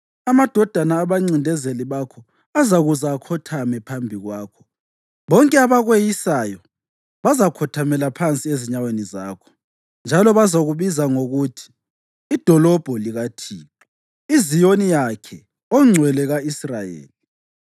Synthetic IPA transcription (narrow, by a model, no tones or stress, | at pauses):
amad̥ʱɔd̥ʱanaːβaŋ͡ǀindʱɛzeliβakʰɔ | azaɣuzaːkʰɔtʰamɛpʰambʱiɣwaːkʰɔ̥ | βɔŋkʼɛaβaɣwejisajɔ | βazakʰɔtʰamɛlapʰant͡sʼieziɲaweniza̰ːkʰɔ̥ | nd͡ʒʱalɔβazaɣuβizaŋoɣutʰi̥ː | d̥ʱɔlɔb̥ʱɔliɣatʰiːǁɔ | izijonijakʰɛ | ɔŋ͡ǀʱwɛlɛɣaisrajḛːli